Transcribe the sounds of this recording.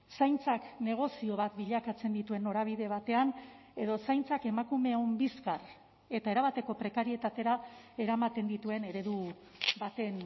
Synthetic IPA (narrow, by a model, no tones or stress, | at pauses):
sajnt͡sakne̞ɣ̞o̞sio̞β̞at̪biʎakat͡se̞nd̪it̪ue̞nːo̞ɾaβ̞iðe̞β̞at̪e̞an | e̞ðo̞sajnt͡sake̞makume̞ombiskar | e̞t̪ae̞ɾaβ̞at̪e̞ko̞pɾe̞kaɾie̞t̪at̪e̞ɾa | e̞ɾamat̪e̞nd̪it̪ue̞ne̞ɾe̞ðu | bat̪e̞n